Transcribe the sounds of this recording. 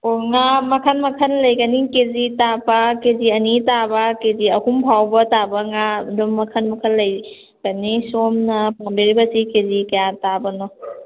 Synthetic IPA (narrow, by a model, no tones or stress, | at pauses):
oŋamɐkʰɐnmɐkʰɐnlɐjɡɐnikezitabakeziɐnitabakeziɐhumbʱʰawbɐtabɐŋadumːɐkʰɐnmɐkʰɐnlɐj | ɡɐnisomnɐpʰaŋbiɾibɐsikezikɐjatabɐnɔ